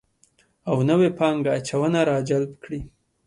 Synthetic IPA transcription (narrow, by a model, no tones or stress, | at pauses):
awnəwepɑŋɡaːt͡ʃawənaɾɑd͡ʒalbkɽi